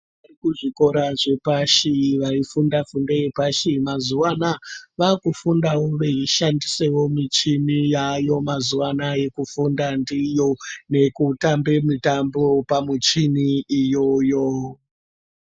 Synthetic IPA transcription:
ʋʋarikuʐiko̞ɾaʐe̞paʃiʋaifundafundaje̞paʃimazuwanaʋakufundawoʋeiʃandise̞wo̞mit͡ʃinijajo̞mazuwanaje̞kufundandijo̞ne̞kutambe̞mitambo̞pamut͡ʃiniːjo̞jo

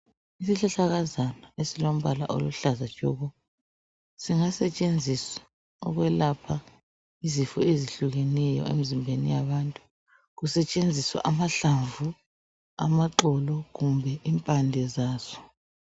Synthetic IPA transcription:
isiɬaɬaɣazanɔesilom̩βala̰ʔo̰luɬazat͡ʃʼɔ̰ːɣɔ | siŋasɛt͡ʃʼend͡zʱisḁ | ɔ̰ɣwɛlapʰa | izifɔeziɬuɣenɛjɔ̰ḛmizimbʱenḭjaβantʼu̥ | ɣusɛt͡ʃʼend͡zʱiswa̰ʔamaɬaɱvu | a̰maǃɔlɔɣumbʱɛʔimpʼandʱɛzaːz̥ɔ̥

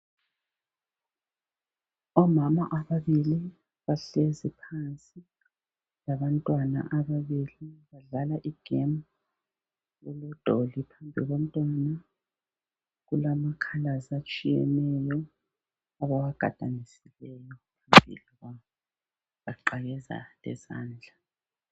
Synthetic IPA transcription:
ɔmamaʔaβaβili | βaɬezipʰansʼi | laβantʼwana̰ʔaβaβiliβaɮalaʔiɡ̥ʱem | lulɔd̥ʱolipʰambʱiɣom̩tʼwana | ɣulamakʰalazat͡ʃʼijɛnɛjɔ | aβawaɡ̥ʱa̰d̥ʱanisilɛjɔpʰambʱḭliɣa | βaǃaɣɛza̰lɛ̰za̰ːnd͡ɮʱa

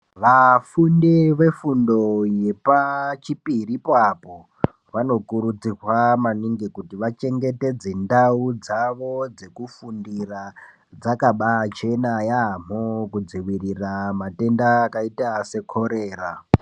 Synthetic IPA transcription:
ʋafundeʋe̞fundo̞je̞pat͡ʃipiɾipapo̞ | ʋano̞kuɾud͡zirwamaniŋɡekutiʋat͡ʃe̞ŋɡe̞te̞d͡ze̞ndaud͡zaʋo̞d͡ze̞kufundira | d͡zakaɓat͡ʃe̞najaːm̥̤okud͡ziwiriramate̞ndaːkaitase̞kʰo̞ɾe̞ːra

